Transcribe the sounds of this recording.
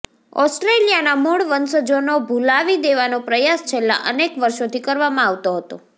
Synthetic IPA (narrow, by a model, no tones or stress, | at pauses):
ɔsʈɾelijanamoɭʋənsəd͡ʒonobʱulaʋid̪eʋanopɾəjast͡ʃʰelːa̰ʔənekʋəɾʃot̪ʰikəɾʋamãaʋt̪oɦət̪o̰